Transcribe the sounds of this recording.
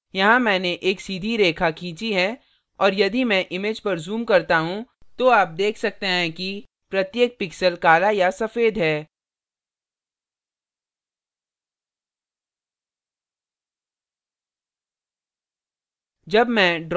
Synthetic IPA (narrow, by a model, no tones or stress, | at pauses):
jɐɦãmɛ̃ːneʔeːksiːd̪ʱiɾeːkʰakʰĩːt͡ʃiɦɛ | ɔːɾjɐd̪imɛ̃ʔɪmeːd͡ʒpɐɾzuːmkɐɾt̪aɦũt̪oaːp̚d̪eːkʰsɐk̚t̪eɦɛ̃ki | pɾɐt̪jeːk̚pɪksəlkaːlajasɐfeːd̪ɦɛː | d͡ʒɐbmɛ̃ɖ